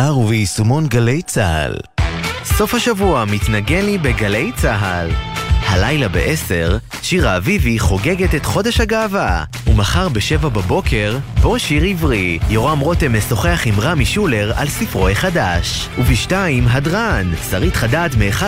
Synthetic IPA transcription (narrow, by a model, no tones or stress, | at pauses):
aʁuveisumo̞nɡalejt͡saha̰l | so̞fhaʃavuamitnaɡe̞nibeɡale̞jt͡saɦalhalajlabḛʔese̞ʁ | ʃiʁaːviviχo̞ɡe̞ɡetet̪χo̞de̞ʃhaɡaːva | umaχaʁbeʃe̞vababo̞kʰe̞ʁbo̞ʃiʁivʁijo̞ʁamʁo̞temeso̞χeaχimʁamiʃule̞ʁa̰lsifʁo̞jeχadaʃ | uviʃtaimɦadʁansaʁitχadaːtmeːχa